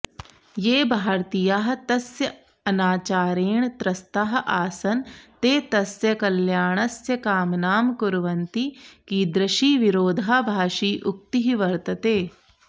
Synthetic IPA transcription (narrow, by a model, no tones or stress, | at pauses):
jeːbʱaːɾt̪ijaːɦɐ̆t̪ɐsjɐ | ɐnaːt͡ʃaːɾeːɳt̪ɾɐst̪aːɦɐʔaːsɐnt̪eːt̪ɐsjɐkɐljaːɳ̃ɐsjɐkaːmnaːmkʊɾʋɐnt̪ikiːd̪ɾɐʃiːʋiɾoːd̪ʱaːbʱaːʃiːʔʊk̚t̪iɦiʋɐɾt̪ɐt̪eː